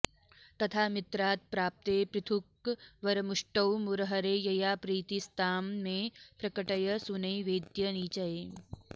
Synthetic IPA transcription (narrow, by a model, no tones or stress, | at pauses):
t̪ɐt̪ʰaːmit̪ɾaːt̪̚pɾaːp̚t̪epɾit̪ʰukʋɐɾɐmuʂʈɐwmuɾɐɦɐɾeːjɐjaːpɾiːt̪ist̪aːmːeːpɾɐkɐʈɐjɐsunɐjʋeːd̪jɐniːt͡ʃɐje